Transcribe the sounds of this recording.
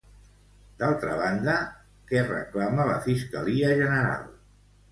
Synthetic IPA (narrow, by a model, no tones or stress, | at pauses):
d̪alˠt̪ɾəβand̪ə | kɛrə̰klamələ̰fiskəliəʒənəɾa̰lˠ